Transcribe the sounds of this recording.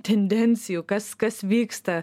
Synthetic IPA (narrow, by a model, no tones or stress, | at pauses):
ʈʰenɖensijokɐskɐsʋiːkst̪ɐ